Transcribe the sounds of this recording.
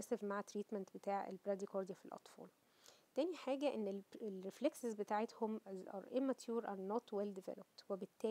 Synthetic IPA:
æsæfmaʕt̪ːɾiːt̪mænt̪bet̪aːʕḛlbɾæd̪ikoɾd̪ijæfilʔɑ̰t̪fo̰ːl | t̪æːniħaːɡæʔenːeelɾefleksezbet̪aːʕet̪homzɑ̰ɾˤʔemːæt̪ʰjuːɾʔɑnːot̪weld̪evḛlop̚t̪webet̪ːæː

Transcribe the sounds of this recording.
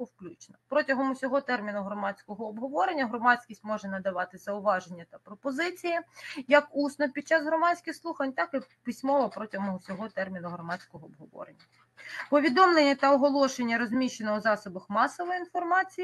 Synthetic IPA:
wklʲut͡ʃnɐpɾɔtʲɐɦɔmʊsʲɔɦɔt̪ɛrmʲinʊɦɾɔmɑt͡sʲkɔɦɔːbɦɔʋɔɾenʲːɐɦɾɔmɑsʲkʲisʲtʲmɔʒɛnɐd̪ɐʋɑt̪ɪzɐʊʋɑʒenʲːɐt̪ɐpɾɔpɔzɪt͡sʲijijɐkusnɔpʲid̪̚t͡ʃɑzɦɾɔmɑt͡sʲkʲɪxslˠuxɐnʲt̪ɑkɪpisʲmɔʋɐpɾɔtʲɐɦɔmɔɦɔsʲɔɦɔt̪ɛrmʲinʊɦrɔmɑt͡sʲkɔɦɔːbɦɔʋɔ̰ɾḛnʲːɐ | pɔʋʲid̪ɔmlˠenʲːɐt̪ɐɔɦɔlˠɔʃenʲːɐɾɔzʲmʲiʃenɔwzɑsɔbɐxmɑsɔʋɔjinfɔrmɑt͡sʲiji

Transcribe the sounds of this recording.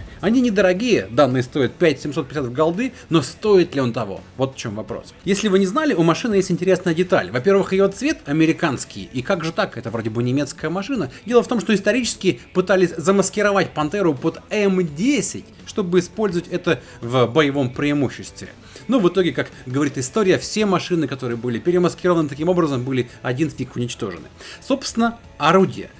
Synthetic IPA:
ɐnʲinʲɪd̪əɾɐɡʲijəd̪anːɨjəst̪o̞jɪt̪̚pʲætʲsʲɪmʲsot̪̚pʲɪsʲat̪əvɡɐlˠd̪ɨno̞st̪o̞ɪt̪lʲɪo̞nt̪ɐvo̞̰vo̞t̪ft͡ɕo̞mvɐpɾo̰sjesʲlʲɪvɨnʲɪznalʲɪʊmɐʂɨnɨjesʲtʲɪnʲtʲɪɾʲe̞snəjədʲɪt̪a̰lʲvɐpʲe̞rvɨxɪjot̪svʲet̪ɐmʲɪɾʲɪkanskʲɪjikaɡʐɨt̪akɛt̪əvɾo̞dʲɪbɨnʲɪmʲe̞t̪skəjəmɐʂɨnədʲe̞lˠəft̪o̞mʂt̪oɪst̪ɐɾʲit͡ɕɪ̥skʲɪpɨt̪alʲɪsʲzəməskʲɪɾɐvatʲpɐnt̪ɛɾʊpo̞d̪ɛmdʲesʲɪ̰tʲʂt̪o̞bɨɪspo̞lʲzəvətʲɛt̪ə | vbəjɪvo̞mpɾʲɪɪmuɕːɪsʲt̪ʲvʲɪ̰ | nuvɨt̪o̞ɡʲɪkakɡəvɐɾʲit̪ɨst̪o̞ɾʲɪjəfsʲe̞mɐʂɨnɨkɐt̪o̞ɾɨjəbɨlʲɪpʲɪɾʲɪməskʲɪɾo̞vənɨt̪ɐkʲimo̞bɾəzəmbɨlʲɪɐdʲinstʲikʊnʲɪt͡ɕt̪oʐɨ̰nɨ̰so̞pst̪ʲɪnːə | ɐɾudʲɪjə̰

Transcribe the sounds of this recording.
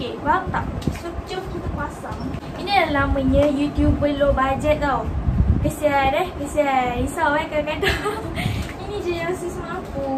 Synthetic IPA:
kebaaŋt̪a̰ʔsət͡ʃəmkit̪akuasaŋ | inĩdalaməɲə̃jut̪jubəlobad͡ʒɛt̪̚t̪awkəsiadɛhkəsaisawɛkəkada | inĩd͡ʒɛnəɾasismaapu

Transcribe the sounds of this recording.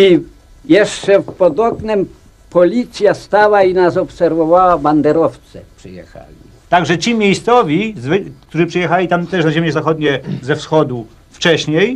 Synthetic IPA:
i | jɛʂt͡ʂɛfpɔd̪ɔknɛm | pɔlʲit̪sʲjast̪awainasɔpsɛɾvɔvawaband̪ɛɾɔft̪sɛ̰pʂɨjɛ̰xa̰lʲi | t̪aɡʐɛt͡ɕimʲjejst̪sɔvʲizvɘk̚t̪uʐɘpʂɛjɛxalʲit̪amt̪ɛʂnaʑemʲjɛzaxɔd̪ɲɛzɛfsxɔd̪u | ft͡ʂɛɕɲej

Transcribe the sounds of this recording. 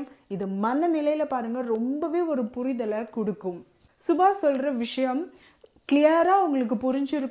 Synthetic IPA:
ɪðɐmɐnːɐmɪlɐjɪlɐpaːɾɯŋɡɐɾɔmbɐʋeːɔɾɯpʊɾɪðɐlɐkɔɽɯkːɯm | sʊbaːsɔlɾɐʋɪʂɐjɐm | klɪjɐɾaːʊŋɡɐɭɯk̬ːɯpʊɾɪɲd͡ʒɪɾɯkː

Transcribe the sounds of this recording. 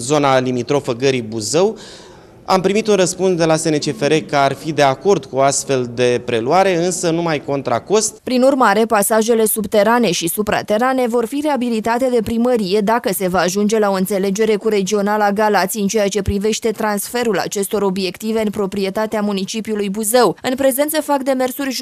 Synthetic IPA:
zo̞nalimit̪ɾo̞fəɡəɾibuzəw | a̰mpɾimit̪unrəspunsd̪e̞lasenet͡ʃe̞fe̞ɾe̞kəarfid̪e̞ako̞rd̪kuoast̪fe̞ld̪e̞pɾe̞luaɾe̞ɨnsənumajko̞nt̪ɾa̰ko̞st̪pɾinurmaɾe̞pasaʒe̞le̞subt̪e̞ɾane̞ʃisupɾa̰t̪e̞ɾane̞vo̞rfire̞abilit̪at̪e̞d̪e̞pɾiməɾije̞d̪akəse̞vaːʒund͡ʒe̞lao̞ɨnt̪se̞le̞d͡ʒe̞ɾe̞kuɾe̞d͡ʒio̞nalaɡalat̪siɨnt͡ʃe̞jat͡ʃe̞pɾive̞ʃt̪e̞t̪ɾansfe̞ɾula̰t͡ʃe̞st̪o̞ɾo̞bie̞kt̪ive̞ɨnpɾo̞pɾie̞t̪at̪eamunit͡ʃipiulujbuze̞wɨnpɾe̞ze̞nt̪səfakd̪e̞me̞rsurʲʒ

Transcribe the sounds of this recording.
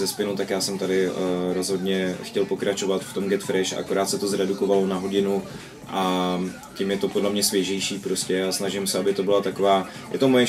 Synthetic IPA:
zɛspɪnut̪akjaːsɛmt̪adɪɾo̞zɦo̞dɲɛxcɛlpo̞kɾat͡ʃo̞vat̪ft̪o̞mɡɛt̪fɾɛʃa̰ʔa̰ko̞ɾaːt̪sɛt̪o̞zɾɛduko̞valo̞naɦo̞ɟɪnu | ʔa | cɪmjɛt̪o̞podlɛmɲɛsvjɛʒɛjʃiːpɾo̞scɛasnaʒɪmsɛabɪt̪o̞bɪlat̪ako̞vaː | jɛ̰t̪o̞mojɛ

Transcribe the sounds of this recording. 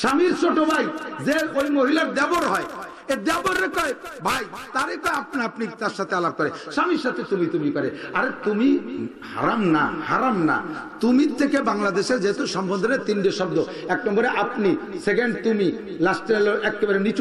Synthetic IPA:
ʃamiɾt͡ʃoʈobʱajd͡ʑeɾojmoɦilaɾd̪ɛboɾɦɔe | ed̪ɛboɾːekɔebʱajt̪aɾekɔeap̚napnit̪aɾʃat̪ʰealab̚kɔɾeʃamiɾʃat̪ʰet̪umit̪umikɔɾeaɾet̪umi | ha̰ɾamna̰haɾamna̰ | t̪umiɾt̪ʰːekebaŋlad̪eʃeɾd͡ʑeɦet̪oʃɔmbɔnd̪ʱɔɾet̪inɖeʃɔb̚d̪o | ɛknɔmboɾeʔapniseɡeɳɖt̪umi | lasʈeloɛkːebaɾenit͡ɕ

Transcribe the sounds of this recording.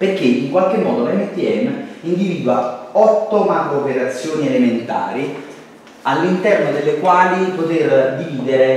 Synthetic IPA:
perk̟eiŋkwalk̟emːɔːd̪olɛmːet̪iɛ̰mːeind̪iviːd̪waɔt̪ːomaɾopeɾat̪sːjoːnielement̪a̰ːɾi | alːint̪ɛrnod̪elːekwaːlipot̪erd̪iviːd̪eɾe

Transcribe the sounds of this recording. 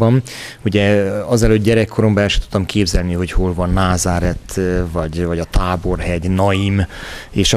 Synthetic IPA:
bɒm | uɟɛɒzɛløːd̪̚ɟɛɾɛkːoɾombɛːʃy̥t̪u̥t̪ːɒmkʰeːbzɛlniɦo̞cho̞lvɒnːaːzaːɾɛt̪vɒɟvɒɟɒt̪aːbo̞rɦɛɟnɒjimeːʃɒ

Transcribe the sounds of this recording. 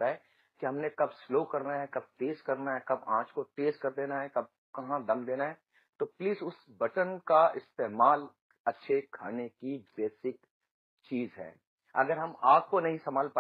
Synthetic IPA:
aɦɛ | kiɦɐmnẽkɐbsloːkɐɾnaɦɛkɐb̚teːskɐɾnaɦɛkɐbã̰ːt͡ʃkoʈeːskɐɾd̪eːnaɦɛkɐb̚ | kɐɦãd̪ɐ̃md̪eːnaɦɛ | t̪opliːzʊsbɐʈənkaɪst̪eːmaːl | ɐtːʃʰekʰa̰ːnekibeːsɪk | t͡ʃiːzɦɛ̰ː | ɐ̰ɡəɾɦɐmaːp̚konɐɦĩsɐmaːlpa

